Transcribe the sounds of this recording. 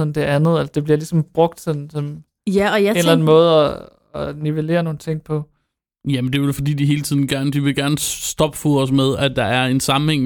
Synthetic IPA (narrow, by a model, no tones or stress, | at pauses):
ɒnd̥e̝ænð̞̩ˠelɐd̥e̝b̥liɐlisɒ̽mb̥ʁɔ̽ɡ̥̚d̥sɒnsɒ̽n | jæɒjaenllæn̩mɔ̽ːð̞̩ˠɒ | ɒ̽niʋe̝le̝̰ːɐno̝ːn̩t͡sʰe̝ŋ̰pʰɒ̽ | jæmend̥e̝e̝dfɒ̽d̥ḭːd̥iɦe̝ːlt͡sʰið̞̰ˠn̩ɡ̥æɐnəd̥iʋe̝ɡ̥æɐnəsd̥ɒ̽b̥foɒsmeð̞ˠæd̥ɑ̈æɐe̝nsɑ̈m̩heŋ̰